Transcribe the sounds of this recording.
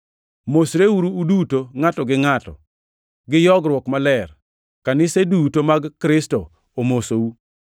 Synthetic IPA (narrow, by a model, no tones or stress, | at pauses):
mosɾewuɾuːdutoŋatɔɡɪŋatɔ̰ | ɡɪjɔɡɾwɔkmalɛr | kanɪsedutomaɡːɾɪsto | omosou